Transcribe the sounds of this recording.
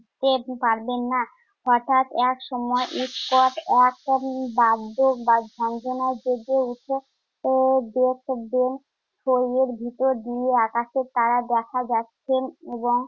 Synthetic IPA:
t̪epaɾbenːa | ɦɔʈʰat̪ɛkʃɔmɔeʔiskɔʈɛkbad̪ːokbad͡ʒʱɔnd͡ʑonaed͡ʑeɡeuʈʰe | d̪ek̚ʰb̪en | ʃʰojeɾbʱit̪oɾd̪ieakaʃeɾt̪aɾad̪ɛkʰad͡ʑatːɕʰeneboŋ

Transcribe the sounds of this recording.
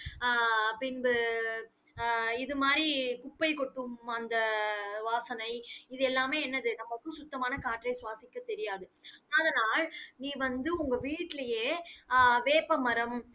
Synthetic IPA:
pɪnbɯ | ɪðɯmaːɾikʊpːɐɪkɔʈːɯmɐnd̪ɐʋaːsɐnɐɪɪðɯɛlːaːmeːɛnːɐðɯnɐmːɐkːɯ̃sʊt̪ːɐmaːnɐkaːʈːrɐɪsʊʋaːsɪkːɐt̪ɛɾɪjaːðɯɐðɐnaːlniːʋɐnd̪ɯʊŋɡɐʋiːʈːɪlɐjeː | ʋeːpɐmɐɾɐm

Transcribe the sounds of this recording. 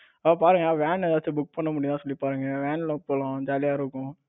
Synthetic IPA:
ɐɐpaːɾɯŋɡɐnaʋɛːnɛðaːt͡ʃːɯbʊk̚ːpɐɳːɐmʊɽɪ̃ãːsɔlːipaːɾɯŋɡɐʋeːɳlɐpoːlãd͡ʒaːlɪjaːɪɾɯkːʊ̃

